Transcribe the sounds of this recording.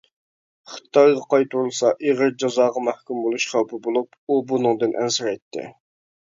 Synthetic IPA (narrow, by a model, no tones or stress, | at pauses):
χt̪ʰɑjʁɑqʰɑjt̪ʰuɾulˠsɑʔeʁəɾd͡ʒɑzɑːʁɑmæhkʲumbolˠuʃχæwpɨbolˠup | ubunɨŋd̪ɨnʔɛ̰nsɪɾɛjt̪ʰːɪ̰